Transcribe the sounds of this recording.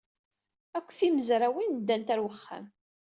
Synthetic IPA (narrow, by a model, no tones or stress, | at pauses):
ækʷːθiməzɾawind̪ːænt̪æɾwəχːa̰m